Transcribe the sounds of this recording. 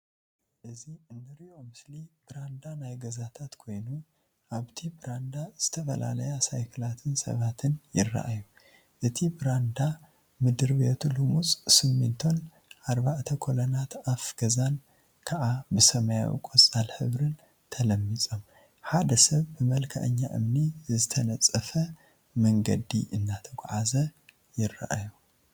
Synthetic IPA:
ʔɨziɨnːɨɾiʔo̞mɨslib̥ɨɾand̪anajɡɐzat̪ʰat̪kʰo̞jnu | ʔaβt̪ʰibɨɾand̪az̥ɨt̪ʰɐfɐ̰la̰lɐjasajkʰɨlat̪ʰɨnsɐ̰βat̪ʰɨnjɪrːa̰ʔaju | ʔɨt̪ʰibɨɾand̪a | mɨd̪ɨɾbet̪ʰulumut͡sʼsɨmːɨnt̪ʰo̞n | ʔaɾbaʕt̪ʰɐkʰolonat̪afɡ̥ɐzan | kʰaʕabɨsɐmɐja̰wḭkʼot͡sʼalħɨβɾɨn | t̪ʰɐlɐmːit͡sʼo̞m | ħad̪ɐsɐβːɨmɐlkʰɐ̰ʔɨ̰ɲːaʔɨ̰mnizɨt̪ʰɐnɐt͡sʼːɐfɐ | mɐŋɡɐ̰d̪ḭʔɨnːat̪ʰɐɡ̰ʷʼʕazɐ | jɪrːa̰ʔa̰ju

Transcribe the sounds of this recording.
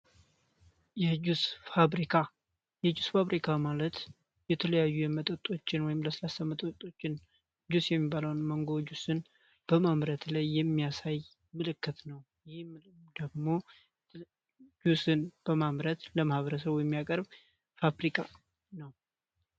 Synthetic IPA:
jɛd͡ʒusfaɾikʰa | jɛd͡ʒusfaβɾikʰamalət̪ | jɛt̪ʰələjajːujɛmət̪ʼət̪ʼo̞t͡ʃːɪnwɔjɪmləsəlasəmət̪ʼot̪ʼo̞t͡ʃːɪn | d͡ʒusjɛmːibaləwnməŋɡo̞d͡ʒusɨn | b̥əmamɾət̪lajːɛmːijasaj | mɨlɨkːɨt̪nəw | jɪhmɨmd̪əɡmo̞ | d͡ʒusɨnb̥əmamɾət̪ləmahβəɾəsəβjɛmːijakʼəɾb | faβɾikʼa | nəw

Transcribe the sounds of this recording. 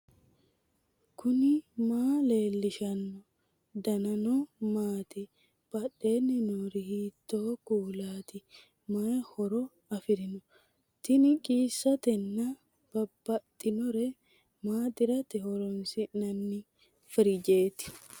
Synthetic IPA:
kʰʊnɪmaːle̞ːlːɪʃɐnːɔ | d̪ɐnɐnɔmaːt̪ɪ | b̥ɐɗːe̞ːnːɪnɔɾɪhiːt̪ːoːkuːlaːt̪ɪ | maːhɔɾɔ | ɐfɪɾɪnʊ | t̪ɪnɪkʼiːsːɐt̪ɛnːɐ | b̥ɐbːɐt̪ʼːɪnɔɾɛ | maːt̪ɪɾɐt̪ɪhɔɾɔnsɪnɐnːɪ | fɪɾɪd͡ʒe̞ːt̪ɪ̥

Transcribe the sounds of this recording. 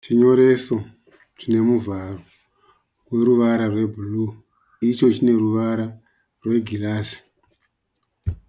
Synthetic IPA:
t͡ʃiɲo̞ɾe̞so̞ | t͡ʃine̞muvaro̞ | rwe̞ɾuʋaɾarwe̞bʱulu | it͡ʃo̞t͡ʃine̞ɾuʋaɾa | rwe̞ɡʱilaːsi̥

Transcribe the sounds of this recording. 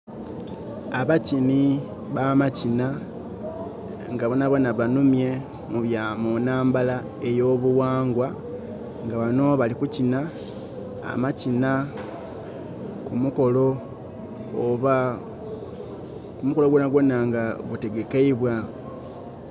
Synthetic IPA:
aβacini | βamacina | ŋɡaβonaβo̞naβanumje̞ | muβjaːmonaːmbala | e̞jo̞ːβuwaːŋɡwa | ŋɡaβano̞βalikucina̰ː | macina | kumuko̞lo̞ | oβa | kumuko̞lo̞ɡwonaɡwo̞naŋɡaɡute̞ɡe̞keiβwa

